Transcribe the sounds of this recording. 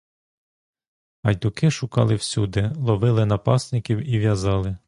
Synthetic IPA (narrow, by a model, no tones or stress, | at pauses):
ɐjd̪ʊkɪʃʊkɑ̰lˠɪwsʲud̪ɛlˠɔʋɪlˠɪnɐpɑsnɪkʲiwiʋʲjɐzɑlˠɪ